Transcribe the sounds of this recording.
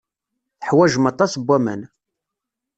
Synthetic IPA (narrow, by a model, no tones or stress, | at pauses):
θəħwæʒəmɑt̪ˤːɑsbːæmæ̰n